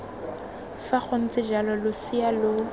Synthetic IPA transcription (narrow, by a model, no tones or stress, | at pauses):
faχon̩t͡sʼɪd͡ʒalɔlʊsialʊ